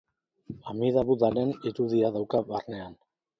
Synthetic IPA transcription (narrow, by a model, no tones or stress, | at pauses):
amiðaβuðaɾe̞niɾuðiaðawkaβarne̞an